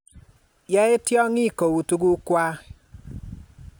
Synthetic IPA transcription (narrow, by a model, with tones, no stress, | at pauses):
jɛ˦ɪ˦tjɔ˦ŋi˦˨ko˨wu˨tu˦ɡu˦kwa˦